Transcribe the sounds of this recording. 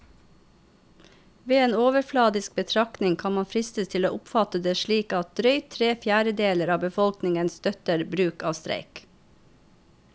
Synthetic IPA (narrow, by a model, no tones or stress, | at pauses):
ʋeːeːnoːʋəɾflɑːd̪ɪsk̚bət̪ʰɾɑknɪŋkʰɑnmɑnfɾɪst̪əst̪ʰɪloːʔʊpfɑt̪əd̪eːʃɭiːkɑt̪̚d̪ɾœʏt̪ʰɾeːfjæːɾəd̪eːləɾɑːbəfɔlknɪŋənst̪œt̪əɾbɾʉːkɑːst̪ɾḛɪk